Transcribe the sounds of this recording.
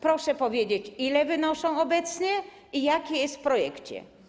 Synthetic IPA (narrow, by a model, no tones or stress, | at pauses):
pɾɔʂɛpɔvʲjed͡ʑet͡ɕilɛvɘnɔʂɔ̃w̃ɔbɛt̪sɲɛ | ijakʲɛjɛst̪fpɾɔjɛkt͡ɕɛ̰